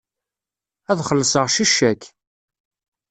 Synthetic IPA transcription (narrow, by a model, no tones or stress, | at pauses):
æðχəlːəsəʁʃiʃːækː